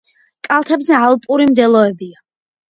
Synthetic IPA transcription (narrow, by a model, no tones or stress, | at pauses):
kʼalˠt̪ʰɛbzɛalˠpʼuɾimd̪ɛlˠɔɛbia